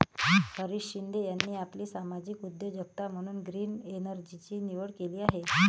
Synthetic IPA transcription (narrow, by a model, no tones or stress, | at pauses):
həɾiɕɕind̪ʱejanːiːapliːsamad͡ʑiːkud̪ʱːjəd͡ʑək̚t̪am̤əɽ̃uːnɡɾiːnenəɾd͡ʑit͡ɕiːniʋəɽkeliːaɦe